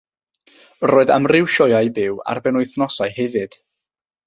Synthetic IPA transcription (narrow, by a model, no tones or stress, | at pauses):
roːɨða̰mrɪwʃɔjajbɪwa̰rbɛnʊjθnɔsaɨhɛvɨd̥